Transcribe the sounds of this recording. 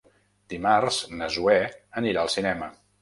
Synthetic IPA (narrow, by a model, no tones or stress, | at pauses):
d̪̥imarz̥nəzuɛəniɾaəlˠsinɛmə